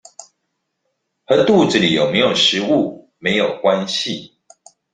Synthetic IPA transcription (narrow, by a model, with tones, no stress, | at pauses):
hə˨˦t̪u˥˨ʈ͡ʂ̩˨li˨˩jo˨˩ʊme˨˧˦ɪjo˨˩ʂɻ̩˧˦u˥˨ | me˨˦ɪjo˨˩ʊkwa˦nɕi˨